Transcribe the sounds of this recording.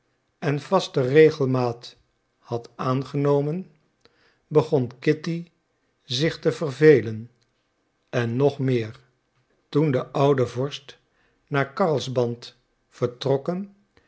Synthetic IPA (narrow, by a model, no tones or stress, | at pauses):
ɛnvɑstərejχəlˠmaːt | hɑtaːnχənowmən | bəχɔnkɪti | zɪχtəvərvejlən | ɛnːɔχmɪːɹ | tundəʔʌwdəvɔɹst | naːɹkɑɹlˠzbɑnt | fəɹtrɔkən